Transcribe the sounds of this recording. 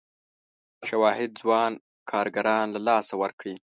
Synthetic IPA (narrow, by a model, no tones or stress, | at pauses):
ʃawɑɦɪd̪̚zwɑn | kʰɑɾɡaɾɑnlalɑsawəɾkɽi